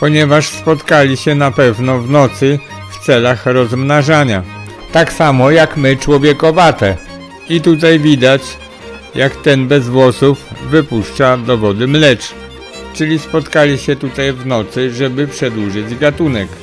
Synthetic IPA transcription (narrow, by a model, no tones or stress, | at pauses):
pɔɲɛvaʂspɔt̪kalʲiɕɛnapɛvnɔvnɔt̪sɘ | ft̪sɛlaxɾɔzmnaʐaɲa | t̪aksamɔjakmɘt͡ʂwɔvʲjɛkɔvat̪ɛ | it̪ut̪̬ajvʲid̪at͡ɕ | jakt̪ɛnbɛzvwɔsufːɘpuʂt͡ʂad̪ɔvɔd̪ɘmlɛt͡ʂ | t͡ʂɘlʲispɔt̪kalʲiɕɛt̪ut̪ajvnɔt̪sɘʐɛbɘpʂɛd̪wuʐɘd͡ʑɡat̪unɛk